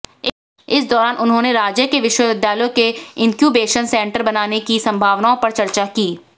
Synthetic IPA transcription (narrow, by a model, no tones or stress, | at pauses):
ɪsd̪ɔːɾaːnʔʊnɦõːneɾaːd͡ʒjəkeʋɪʃwəʋɪd̪jaːlokeɪ̃ŋkjuːbeːʃənsɛ̃ːɳʈəɾbɐnaːnekisɐ̃mbʱaːʋnaːõpɐɾt͡ʃɐɾt͡ʃakiː